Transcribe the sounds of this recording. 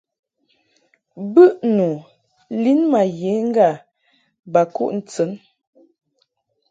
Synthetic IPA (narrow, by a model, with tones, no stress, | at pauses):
bə˦ʔnu˨ | li˦nma˨je˨˦ŋ̩˦ɡa˦˨ | ba˨kṵ˦ʔn̩˨t͡sə˨˦n